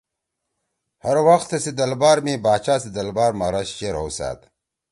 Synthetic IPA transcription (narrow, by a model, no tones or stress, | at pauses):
hɐɾwɐxt̪esid̪ɐlbaːɾmĩːbaːt͡ɕaːsid̪ɐlbaːɾmaɾɐɕt͡ɕeɾɦowsa̰ːt̪